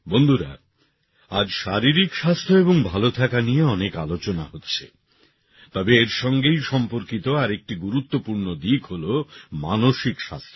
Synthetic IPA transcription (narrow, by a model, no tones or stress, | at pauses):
bond̪ʱuɾa̰ | ad͡ʑʃaɾiɾikʃast̪ʰoeboŋbʱalot̪ʰakanijeɔnekalot͡ɕona̰ɦotːɕʰḛ | t̪ɔbeeɾʃɔŋɡejʃɔmpoɾkit̪oaɾek̚ʈiɡuɾut̪ːopuɾnod̪ikɦolomanoʃikʃa̰st̪ʰo̥